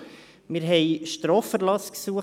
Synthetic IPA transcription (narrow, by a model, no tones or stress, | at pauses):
mɪɾɦɛɪʃtɾoːfəɾlɑsksuə